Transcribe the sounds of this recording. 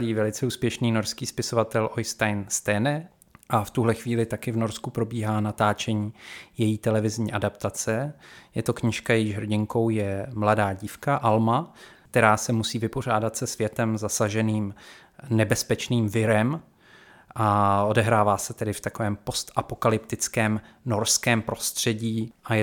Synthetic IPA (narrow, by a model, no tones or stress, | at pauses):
liːvɛlɪt͡sɛuːspjɛʃniːno̞ɾskiːspɪso̞vat̪ɛlʔojst̪ajnst̪ɛnɛ | ʔaft̪uɦlɛxviːlɪt̪akɪvno̞ɾskupɾo̞biːɦaːnat̪aːt͡ʃɛɲiːjɛjiːt̪ɛlɛvɪzɲiːʔadapt̪at͡sɛjɛt̪o̞kɲɪʃkajɛjiʒɦr̩ɟɪŋko̞wjɛmladaːɟiːfkaʔalmak̚t̪ɛɾaːsɛmusiːvɪpo̞r̝aːdat̪sɛsvjɛt̪ɛmzasaʒɛniːm | nɛbɛspɛt͡ʃniːmvɪɾɛm | ʔao̞dɛɦɾaːvaːsɛt̪ɛdɪft̪ako̞vɛːmpo̞st̪ʔapo̞kalɪpt̪ɪt͡skɛːmno̞ɾskɛːmpɾo̞st̪r̝̥ɛɟiːʔajɛ